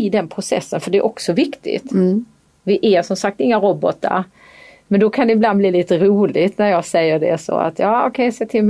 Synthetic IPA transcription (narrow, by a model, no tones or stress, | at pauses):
ɪd̪ɛnpʰɾʊsɛ̰sːənfœɖɛæɾʔɔksɔvɪkt̪ʰɪ̰t̪ | vɪʔæʂɔmsak̚t̪ɪŋːaɾɔbɔt̪ːa̰ɾ | mɛnd̪ɔkʰand̪ɛɪbland̪bliːliːt̪əɾuːlɪɡt̪næɾjɑːsɛjːəɖɛ̰sɔ̰a̰t̪jɑːɔkʰɛjseːt̪ʰɪlm